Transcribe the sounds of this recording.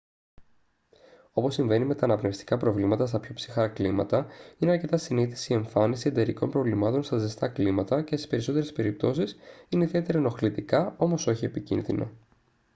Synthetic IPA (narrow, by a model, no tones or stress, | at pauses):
o̞po̞sːiɱve̞nime̞t̪ɐːnɐpnefst̪i̥kɐpɾo̞vlimɐt̪ɐst̪ɐpço̞psi̥xɐklimɐ̰t̪ɐine̞ɐɾce̞t̪ɐsiniθi̥sie̞ɱfɐnisie̞d̪e̞ɾiko̞mpɾo̞vlimɐt̪o̞nst̪ɐzest̪ɐklimɐt̪ɐce̞sispe̞ɾiso̞t̪e̞ɾe̞spe̞ɾip̚t̪o̞sisineiðie̞t̪e̞ɾɐno̞xlit̪ikɐo̞mo̞so̞çie̞picḭnðḭnʔo̞̰